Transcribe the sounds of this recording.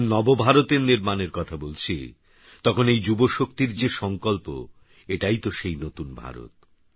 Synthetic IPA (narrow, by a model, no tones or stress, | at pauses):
nɔbobʱaɾot̪eɾniɾmaneɾkɔt̪ʰabolt͡ɕʰḭ | t̪ɔkʰonejd͡ʑuboʃok̚t̪iɾd͡ʑeʃɔŋkɔlpo̰ | eʈajt̪oʃejnot̪unbʱa̰ɾo̰t̪̚